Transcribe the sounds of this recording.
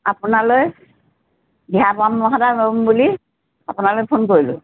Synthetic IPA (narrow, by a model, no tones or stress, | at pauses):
apʊnaloj | biapamːɔɦadabombuli | apʊnalojpʰonkoɹilʊ̰